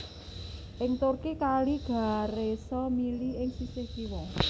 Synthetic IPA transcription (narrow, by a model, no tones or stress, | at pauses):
ʔɪŋt̪ʊrkikaliɡ̥a̤ɾesɔmiliɪŋsisekiwɔ